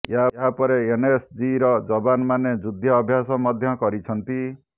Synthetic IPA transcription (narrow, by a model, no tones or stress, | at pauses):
eɦaeɦapɔɾeenesd͡ʒiɾɔd͡ʒɔbanmaned͡ʒud̪ʱjɔːbʱjasɔmɔd̪ʱjɔkɔɾit͡ʃʰɔnt̪i